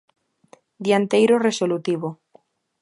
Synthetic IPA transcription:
d̪jant̪ejɾoresolut̪iβo

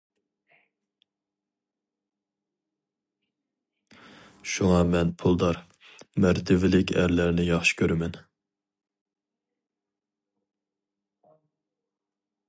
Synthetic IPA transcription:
ʃuŋɑmɛnpʰulˠd̪ɑɾ | mæɾt̪ʰɪvɪlɪkʲʰæ̰ɾlæɾnɪjɑχʃi̥kʲʰøɾɪmɛn

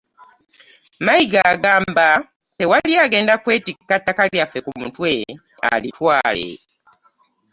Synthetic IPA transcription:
maiɡaːɡaːmba | te̞waliaːɡe̞ːndakwe̞ːtikːatːakaljafe̞kumutwe | a̰litʰwaːlḛ

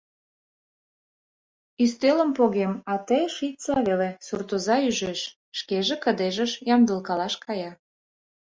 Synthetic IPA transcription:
yst̪elə̆mpoɣemɑt̪əjʃit͡sɑβelesurt̪ozɑyʒeʃ | ʃkeʒĕkə̆d̪eʒə̆ʃjɑmd̪ə̆lkɑlɑʃkɑjɑ

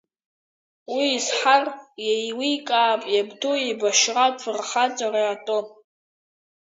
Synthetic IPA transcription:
wiːsħarjejwikʼaːpʼjabdojebaʃraʈ͡ʂʷʰɨrχat͡sʼaraatʼo

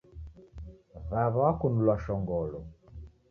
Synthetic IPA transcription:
βaβakunulwaʃɔŋɡɔlɔ

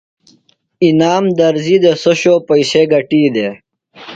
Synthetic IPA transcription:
inaːmd̪ɐɾzid̪esoɕoːpɐjseɡɐʈiːd̪e

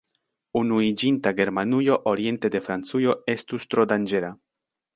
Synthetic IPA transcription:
unuid͡ʒint̪aɡeɾmanujoʔoɾje̞nt̪ed̪e̞fɾant͡sujoest̪ust̪ɾod̪and͡ʒeɾa

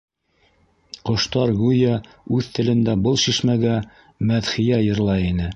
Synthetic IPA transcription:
qŏʃt̪ɑɾɡujɑ | ʉðt̪ɘ̆lɘ̆nd̪æbɤlˠʃiʃmæɡæ | mæðχɪjæjɤ̆ɾlˠɑinɘ

